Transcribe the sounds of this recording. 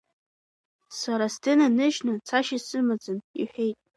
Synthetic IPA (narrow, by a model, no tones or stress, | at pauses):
saɾasdɨnanɨʒnɨt͡sʰaʃɪsɨmad͡zɨnḭħʷᶣejtʼ